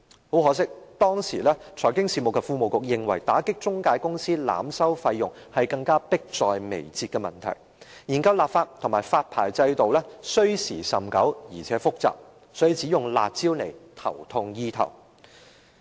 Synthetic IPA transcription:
ho˨˥wɦɔː˨˥sɪ˥k̚t̪ɔː˥ŋsḭː˨˩lɛː˥t͡ʃʰɔː˨˩jkɪ˥ŋsiː˨mʊ˨˩kːɛ˧fuː˧mo˨wkʊ˨k̚jɪ˨ŋwɐ˨˩jt̪aː˨˥kɪ˥k̚t͡sʊ˥ŋkaː˧jkʊ˥ŋsiː˥la̰ː˨msɐ˥wfɐ˧jːʊ˨ŋ | hɐ˨jkɐ˧ŋkaː˥pɪ˥k̚t͡sɔː˨jmḛ˨˩jt͡siː˧t̚kɛː˧mɐ̰˨˩nt̪ʰɐ̰˨˩j | jiː˨˩nkɐ˧wlaː˨p̚faː˧t̚t̪ʰŋmaː˨˩jfaː˧t̚pʰaː˨˩jt͡sɐ˧jt̪o˨wlɛː˥sɵ˥ɥsiː˨˩sɐ˨˩mkɐ˨˥wjiː˨˩t͡sʰɛː˨˥fʊ˥k̚t͡sa̰ː˨p̚ | sɔː˨˥ji˨t͡si˨˥jʊ˨ŋla̰ː˨t̚t͡siː˥wne˨˩jt̪ʰɐ̰˨˩wt̪ʰʊ˧ŋjiː˧t̪ʰɐ̰˨˩w

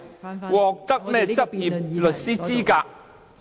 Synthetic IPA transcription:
wɔː˨k̚t̪ɐ˥k̚mɛː˥t͡sɐ˥p̚jiː˨˩p̚lɵ˨t̚siː˥t͡siː˥kaː˧k̚

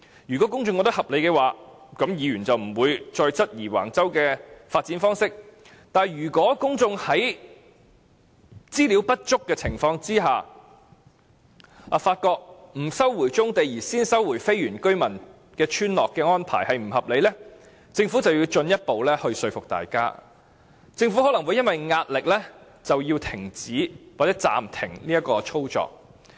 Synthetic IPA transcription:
jyː˨˩kʷɔ˨˥kʊ˥ŋt͡sʊ˧ŋkɔ˧˥t̪̚hɐ˨p̚le˨˧jkɛ˧waː˨kɐ˨˥mjiː˨˧jyː˨˩nt͡sɐ˨wm̩˨˩wuː˨˧jt͡ʃɔː˧jt͡sɐ˥t̚jiː˨˩wa̰ː˨˩ŋt͡sɐ˥wkɛː˧faː˧t̚t͡si˨˥nfɔː˥ŋsɪ˥k̚ | t̪aː˨njyː˨˩kʷɔː˨˥kʊ˥ŋt͡sʊ˧ŋhɐ˨˥j | t͡siː˥li˨˥wpɐ˥t̚t͡ʃʊ˥kːɛː˧t͡sʰɪ˨˩ŋfɔː˧ŋt͡siː˥ɦaː˨ | aː˨faː˧t̚kɔː˧k̚m̩˨˩sɐ˥wwuː˨˩jt͡sʊ˥ŋt̪e˨jjiː˨˩siː˥nsɐ˥wuː˨˩jfe˥jɥyː˨˩nkɵ˥ɥmɐ˨˩n | kɛː˧t͡ʃʰyː˥nlɔː˨kːɛː˧ŋɔː˥npʰa̰ː˨˩jhɐ˨jm̩˨˩hɐ˨p̚le˨˧jlɛ˥ | t͡sɪ˧ŋfu˨˥t͡sɐ˨wjiː˧wt͡ʃɵ˧njɐ˥t̚po˨wlɛ˥hɵ˧ɥsɵ˧ɥfʊ˨k̚t̪a̰ː˨˩jka̰ː˥ | t͡sɪ˧ŋfu˨˥hɔː˨˥lɐ˨˩ŋwuː˨˧jɐ˥nwɐ˨˩jŋaː˧t̚lɪ˨k̚lɛː˥ | t͡sɐ˨wji˧wt̪ʰɪ˨˩ŋt͡siː˨˥waː˨˩t͡sɛː˨˥t͡sa̰ː˨mt̪ʰɪ˨˩ŋliː˥ɐ˥kɔː˧t͡sʰo˥wt͡sɔ̰ː˨k̚

